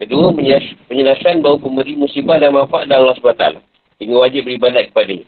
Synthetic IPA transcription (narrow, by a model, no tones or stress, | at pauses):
kəduəəpəɲəlasanbaupəməɾimũsibahdanmanfaʔadalːɔsbaat̪a̰la̰ | dəŋawad͡ʒɪbəɾibadat̪̚kə̥padaɲa